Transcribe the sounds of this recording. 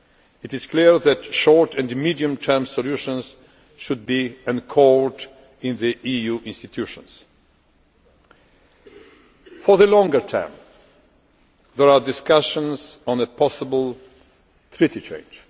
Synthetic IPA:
ɨtɪz̥kʰliɹðætʃɔɹtʰɛ̃nmidiɨ̃mtʰɜ˞msɔluʃə̃nz̥ | ʃʊd̚biɨ̃nkʰɔɹd | ɪ̃nðiʔijuʔɪ̃nstɨtʰjʉʃə̰̃ns | fɔ˞ðəlɔ̃ŋɡə˞tʰã̰ɹm | ðəɹadɪskaʃə̃nzɔ̃nəpʰɑsəbl̩ˠ | t̪ʰɹitit͡ʃʰḛ̃ɪ̃nd͡ʒ

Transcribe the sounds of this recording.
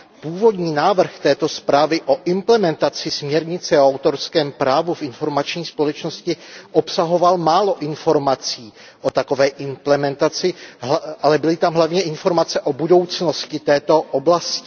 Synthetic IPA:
puːvo̞dɲiːnaːvr̩xt̪ɛːt̪o̞spɾaːvɪʔo̞ʔɪmplɛmɛnt̪at͡sɪsmɲɛɾɲɪt͡sɛoawt̪o̞ɾskɛːmpɾaːvufɪnfo̞ɾmat͡ʃɲiːspolɛt͡ʃno̞scɪʔopsaɦo̞valmaːlo̞ʔɪnfo̞ɾmat͡siː | ʔo̞t̪ako̞vɛːʔɪmplɛmɛnt̪at͡sɪʔalɛbɪlɪt̪amɦlavɲɛɪnfo̞ɾmat͡sɛʔobudo̞wt͡sno̞scɪt̪ɛːt̪o̞ʔoblascɪ

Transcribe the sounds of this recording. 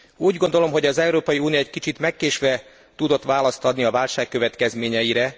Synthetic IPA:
uːɟɡo̞nd̪o̞lo̞mɦo̞ɟɒzɛuɾoːpɒjiuːnijoɛckit͡ʃit̪mɛkːeːʃʋɛ | t̪ud̪o̞t̪ʋaːlɒst̪ɒd̪niɒvaːlʃaːkːø̞vɛt̪kɛzmeːɲɛjiɾɛ

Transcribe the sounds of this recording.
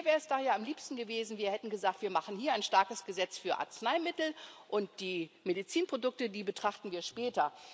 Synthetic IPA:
vɛːɐʁəsd̥aːjaːamliːpstn̩ɡəveːzn̩viːɐhɛtn̩ɡəzaːk̚tv̥iːɐmaχn̩hɦiːɐaɪnʃtaɐkəsɡ̥əzɛt͡sfyːɐʔa̰ɐt͡snaɪmɪtl̩ʔʊnt̚d̥iːmedit͡siːnpʁ̥odʊk̚tədiːbətʁ̥aχtn̩viːɐʃpɛːtɐ

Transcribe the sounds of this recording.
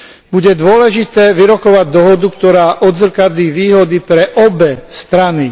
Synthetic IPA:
buɟɛd̪ʊɔlɛʒit̪ɛːʋiɾɔkɔʋaɟ̚d̪ɔɦɔd̪ukt̪ɔɾaːʔɔd̪zr̩kad̪liːʋiːɦɔd̪ipɾɛʔɔbɛst̪ɾani

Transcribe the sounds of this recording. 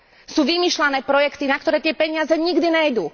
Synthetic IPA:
suːʋimiːʃlanɛːpɾɔjɛkt̪inak̚t̪ɔɾɛːt̪ɪɛpɛɲɪazɛɲiɡd̪iɲɛjd̪uː

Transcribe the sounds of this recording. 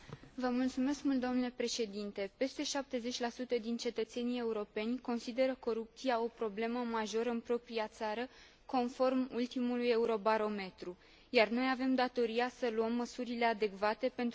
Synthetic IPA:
vəmult̪sume̞skmult̪d̪omnule̞pɾe̞ʃe̞d̪int̪e̞pe̞st̪e̞ʃap̚t̪e̞ze̞t͡ʃʲlasut̪əd̪int͡ʃe̞t̪ət̪se̞nije̞uɾo̞pe̞nʲko̞nsid̪e̞ɾəko̞ɾup̚t̪siao̞pɾo̞ble̞məmaʒo̞ɾəɨnpɾo̞pɾiat̪saɾə | ko̞nfo̞rmult̪imuluje̞uɾo̞baɾo̞me̞t̪ɾu | jarno̞jave̞md̪at̪o̞ɾiasəluəmːəsuɾile̞ad̪e̞kvat̪e̞pe̞nt̪

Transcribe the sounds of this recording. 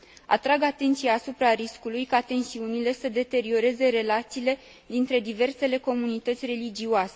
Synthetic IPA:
a̰t̪ɾaɡat̪e̞nt̪siaːsupɾaɾiskulujkat̪e̞nsiunile̞səd̪e̞t̪e̞ɾio̞ɾe̞ze̞ɾe̞lat̪siːle̞ | d̪int̪ɾe̞d̪ive̞rse̞le̞ko̞munit̪ət̪sʲre̞lid͡ʒiuase̞

